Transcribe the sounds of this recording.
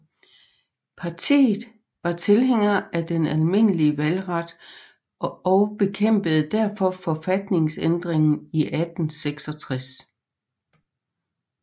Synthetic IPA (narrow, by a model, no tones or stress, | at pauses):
pʰɑ̈t͡sʰḭːð̩ˠ | ʋɑ̈t͡sʰe̝lɦeŋ̰ɐæd̥enælme̝n̰əliəʋælʁɑd̥ | ɒʊb̥e̝kʰem̰b̥əð̞̩ˠd̥æɐfɒ̽fɒ̽fæd̥ne̝ŋsend̥ʁeŋn̩iʔæd̥n̩seɡ̥sɒ̽t͡sʰʁas